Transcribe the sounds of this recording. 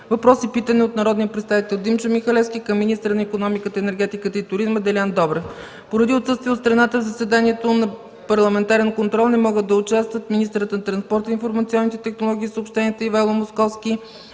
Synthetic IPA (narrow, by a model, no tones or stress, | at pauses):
vɐpɾɔsipit̪əniot̪nɐɾɔd̪nijəpɾɛt̪st̪avit̪ɛlˠd̪imt͡ʃəmixɐlɛfskʲikɐmːinist̪əɾənɐikonɔmikət̪əɛnɛɾɡ̟ɛt̪ikət̪əit̪ʊɾizməd̪ɛlʲand̪ɔbɾɛf | poɾɐd̪iot̪sɤst̪vʲiɛot̪st̪ɾɐnat̪əvzəsɛd̪aniɛt̪onɐ | pɐɾlˠɐmɛnt̪aɾɛnkont̪ɾɔlˠnɛmɔɡəd̪ɐʊt͡ʃast̪vət̪minist̪əɾət̪nɐt̪ɾɐnspɔɾt̪əinfoɾmɐt̪siɔnːit̪ɛt̪ɛxnolˠɔɡʲiːsəopʃt̪ɛniɛt̪əivajlˠomoskɔfskʲi